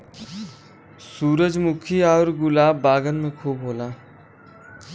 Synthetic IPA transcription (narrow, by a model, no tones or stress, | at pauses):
suːɾəd͡ʒmʊkʰiaːɾɡʊlaːbːaːɡənmẽkʰuːbɦoːlaː